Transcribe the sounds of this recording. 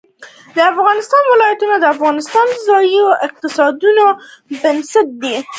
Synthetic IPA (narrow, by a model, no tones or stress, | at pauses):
d̪əafɣɑnɪst̪ɑnwɪlɑjat̪unad̪əafɣɑnɪst̪ɑnd̪əzɑjoʔɪq̚t̪ɪsɑd̪unobɪnsat̪̚d̪i